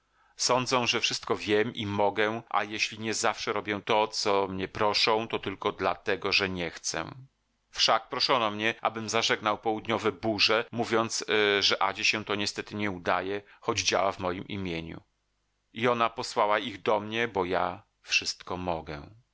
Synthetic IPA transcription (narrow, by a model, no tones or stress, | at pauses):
sɔnd̪zɛ̃w̃ʐɛfʂɘst̪kɔvʲjɛmʔimɔɡɛʔa̰jeɕlʲiɲɛzafʂɛɾɔbʲjɛt̪ɔt̪sɔmɲɛpɾɔʂɔ̃w̃t̪ɔt̪ɘlkɔd̪la̰t̪ɛɡɔʐɛɲɛxt̪sɛ̰ | fʂak̚pɾɔʂɔnɔmɲɛʔa̰bɘmzaʐɛɡnawpɔwud̪ɲɔvɛbuʐɛmuvʲjɔnt̪sʐɛʔa̰d͡ʑɛɕɛt̪ɔɲɛst̪ɛt̪ɘɲɛud̪a̰jɛxɔd͡ʑd͡ʑa̰wavmɔjimḭmʲjeɲṵ | iɔnapɔswawaiɣd̪ɔmɲɛbɔja̰ | fʂɘst̪kɔmɔɡɛ̰